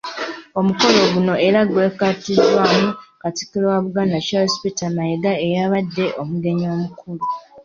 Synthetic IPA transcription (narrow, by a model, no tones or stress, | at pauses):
o̞muko̞lo̞ɡuno̞eɾaɡwe̞katizwaːmukati̥kilowaβuɡaːndacaospitamajeɡaejaβadːe̞ʔomuɡe̞ɲo̞ːmukʰulu